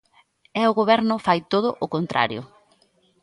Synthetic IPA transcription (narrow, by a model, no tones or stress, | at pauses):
ɛʊɣoβɛɾnʊfajt̪oðʊʔʊkont̪ɾʔa̰ɾjʊ̰